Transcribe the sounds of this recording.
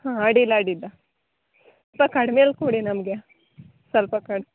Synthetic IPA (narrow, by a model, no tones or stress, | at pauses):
hãːɐɽilaːɽidɐ | s | ɐlpɐkɐɽmeːlkuːɽinɐmɡe | sɐlpɐkɐɽ